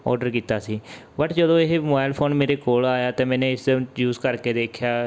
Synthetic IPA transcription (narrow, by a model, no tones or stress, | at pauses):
ɔ̰ːɾɖəɾkiːt̪aːsiː | bəʈd͡ʒəd̪õːɪɦemobaːɪlpʰoːnmeːɾeːkoːlaːjaːt̪eːmɛ̃ːnẽːɪsjuːzkəɾkeːd̪eːkʰjaː